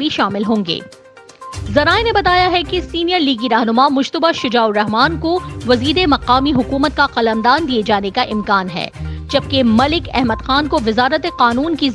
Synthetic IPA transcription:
iʃaːmɪlɦõːŋɡḛː | zɐɾaːenebɐt̪aːjaɦɛkesiːnijəɾliːɡiɾaːɦnʊmamʊd͡ʒt̪əbaʃʊd͡ʒaːʊɾɐɦmaːnkoʋɐziːd̪emɐqaːmiɦʊkuːmət̪̚kaqɐləmd̪aːnd̪ied͡ʒaːnekaʔɪmkaːnɦɛ̰ːd͡ʒɐb̚kemɐlɪkɛ̰ɦməd̪xaːnkoʋɪzaːɾət̪eqaːnuːnki

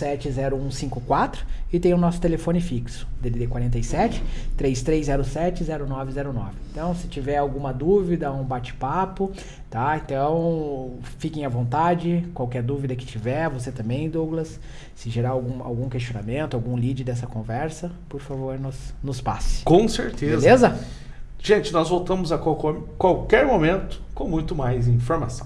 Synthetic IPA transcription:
sɛt͡ʃɪzɛɾʊũsĩŋkʊkwat̪ɾʊɪt̪ẽj̃ʊnɔsʊ̥t̪elefõnɪfiksʊ̥d̪evid̪ekwaɾẽnt̪ɐjsɛt͡ʃɪ̥t̪ɾejst̪ɾejzzɛɾʊsɛt͡ʃɪzɛɾʊnɔvɪzɛɾʊnɔvɪẽnt̪ɐ̃w̃sɪ̥t͡ʃivɛɾawɡũmɐd̪uvid̪ɐaɡũbat͡ʃɪ̥papʊ | t̪aẽnt̪ɐ̃w̃ | fikẽj̃ɐvõnt̪ad͡ʒɪkwawkɛɾd̪uvid̪ɐkɪ̥t͡ʃivɛɾvoset̪ɐ̃mbẽj̃d̪oɡlɐs | sɪʒeɾaɾawɡũa̰wɡũkest͡ʃionamẽnt̪ʊawɡũlid͡ʒɪd̪ɛs̬ɐkõvɛɾsɐpoɾfavoɾnʊsnʊspa̰sɪ̥kõw̃sḛɾt̪ebezlezɐ | ʒ̥ẽnt͡ʃɪnɔzvowt̪ɐ̃mʊzɐkakkwawkɛɾmomẽnt̪ʊ̥kõmũj̃t̪ʊmajzĩfoɾmasɐ̃w̃

